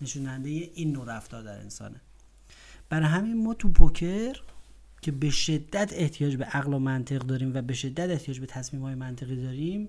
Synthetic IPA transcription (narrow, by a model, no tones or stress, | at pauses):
ne̞ʃuːnænd̪ejeʔiːnːoɾæft̪ɒːɾd̪æɾḛnsɒ̰ːne | b̥æɾɒɦæminmɒːt̪ʰupʰocʰeɾ | cʲʰe̞be̞ʃe̞d̪ːæt̪ʰe̞ht̪ʰijɒːd͡ʒbeʔæɣlomænt̪ʰe̞ɣd̪ɒːɾiːmvæbe̞ʃe̞d̪ːæt̪eht̪ʰijɒːd͡ʒbe̞t̪ʰæsmiːmhɒːjemænt̪ʰe̞ɣiːd̪ɒːɾiːm